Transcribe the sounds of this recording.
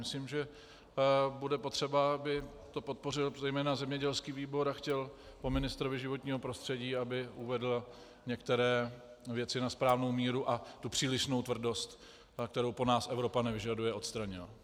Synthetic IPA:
mɪslimʒɛ | budɛpo̞t̪r̝̥ɛbaabɪ | t̪o̞po̞t̪̚po̞rɪlzɛjmɛːnazɛmɲɛɟɛlskiːviːbo̞ɾaxcɛl | po̞mɪnɪst̪ɾovɪʒɪvot̪ɲiːɦo̞pɾo̞st̪r̥ɛɟiːabɪʔuvɛdl̩ | ɲɛkt̪ɛɾɛː | vjɛt͡sɪnaspɾaːvno̞wmiːɾuʔat̪upr̝̥iːlɪʃno̞wt̪vr̩do̞st̪ | kt̪ɛɾowpo̞naːsʔɛvɾo̞panɛvɪʒadujɛʔo̞t̪st̪ɾaɲɪla

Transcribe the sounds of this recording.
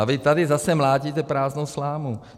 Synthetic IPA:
avɪt̪adɪzasɛmlaːɟiːt̪ɛpɾaːznowslaːmu

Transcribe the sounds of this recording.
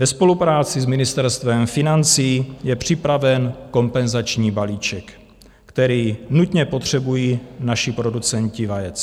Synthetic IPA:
vɛspo̞lupɾaːt͡sɪzmɪnɪst̪ɛɾst̪vɛmfɪnant͡siːjɛpr̝̥ɪpɾavɛnko̞mpɛnzat͡ʃɲiːbaliːt͡ʃɛk | kt̪ɛɾiːnut̪ɲɛpot̪r̝̥ɛbujiːnaʃɪpɾo̞dut͡sɛɲcɪvajɛt͡s

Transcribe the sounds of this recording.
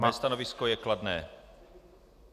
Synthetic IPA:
maːst̪anɔviskɔjɛklad̪nɛː

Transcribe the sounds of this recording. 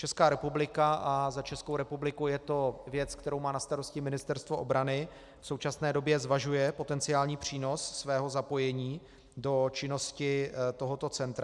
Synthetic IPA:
t͡ʃɛskaːɾɛpublɪkaʔazat͡ʃɛsko̞wɾɛpublɪkujɛt̪o̞vjɛt͡skt̪ɛɾowmaːnast̪aɾo̞scɪmɪnɪst̪ɛɾst̪voʔobɾanɪ | fso̞wt͡ʃasnɛːdo̞bjɛzvaʒujɛpo̞t̪ɛnt͡sɪaːlɲiːpr̝̥iːno̞sːvɛːɦo̞zapo̞jɛɲiː | do̞t͡ʃɪno̞scɪt̪o̞ɦo̞t̪o̞t͡sɛnt̪ɾa

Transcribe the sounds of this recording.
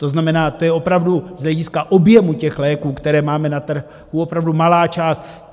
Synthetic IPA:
t̪o̞znamɛnaːt̪o̞jɛo̞pɾavduzɦlɛɟɪskaʔo̞bjɛmucɛxlɛːkuːkt̪ɛɾɛːmaːmɛnat̪r̩ | huo̞pɾavdumalaːt͡ʃaːst̪

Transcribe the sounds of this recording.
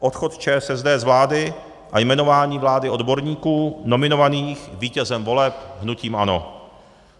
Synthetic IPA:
ʔot̪xo̞t̪t͡ʃɛːsɛzdɛːzvlaːdɪ | ʔajmɛno̞vaːɲiːvlaːdɪo̞dbo̞ɾɲiːkuːno̞mɪno̞vaniːxviːcɛzɛmvo̞lɛpɦnuciːmʔano̞̰

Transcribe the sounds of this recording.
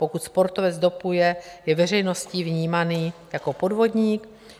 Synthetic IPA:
pokut̪spo̞ɾt̪o̞vɛd͡zd̪o̞pujɛjɛvɛr̝ɛjno̞sciːvɲiːmaniːjako̞po̞dvo̞dɲiːk

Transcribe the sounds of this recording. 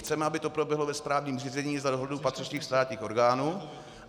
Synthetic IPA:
t͡sɛmɛabɪt̪o̞pɾobjɛɦlovɛspɾaːvɲiːmr̝iːzɛɲiːzadoɦlɛdupat̪r̥ɪt͡ʃɲiːxst̪aːtɲiːxo̞ɾɡaːnuː

